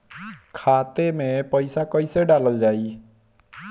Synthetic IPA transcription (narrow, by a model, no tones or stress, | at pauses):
kʰat̪emepəjsakəjseɖaləld͡ʒai